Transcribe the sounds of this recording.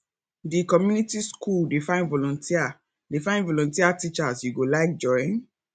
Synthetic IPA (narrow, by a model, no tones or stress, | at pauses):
dikɔmjunitiskʰuldefãɪ̃nvɔlɔ̃ntʰia | defãɪ̃ndvɔlɔ̃ntiatit͡ʃasjuɡolaɪk̚d͡ʒɔ̃ɪ̃n